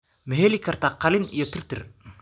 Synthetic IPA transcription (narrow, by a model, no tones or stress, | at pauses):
mɛɦeːlikʰɐrt̪aːqɑlɪnijɔt̪ʰɪrt̪ɪr